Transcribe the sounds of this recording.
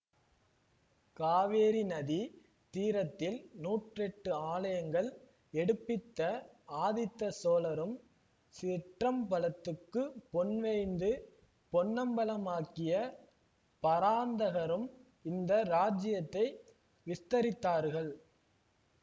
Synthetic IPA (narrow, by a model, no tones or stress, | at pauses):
kaːʋeːɾinɐði | t̪iːɾɐt̪ːɪlnuːʈrɛʈːɯaːlɐjɐŋɡɐɭ | ɛɽɯpːɪt̪ːɐaːðɪt̪ːɐsoːlɐɾɯm | sɪʈrɐmpɐlɐt̪ːɯkːɯpɔnʋɛɪnd̪ɯ | pɔnːɐmbɐlɐmaːkɪjɐ | pɐɾaːnd̪ɐɣɐɾɯm | ɪnd̪ɐɾaːd͡ʒɪjɐt̪ːɐɪ | ʋɪst̪ɐɾɪt̪ːaːɾɣɐɭ